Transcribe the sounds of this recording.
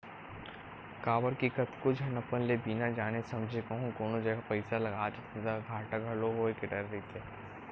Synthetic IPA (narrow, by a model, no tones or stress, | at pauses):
kaːʋəɾkikət̪kʊd͡ʒʱɦɐnɐpənlebiːnad͡ʒaːnesɐmd͡ʒʱekɐɦũkoːnõd͡ʒɐɡapɐɪsalɐɡaːd͡ʒt̪ʰed̪aɡʱaːʈək̚ɡʱɐloɦoːekeɖɐɾːit̪ʰe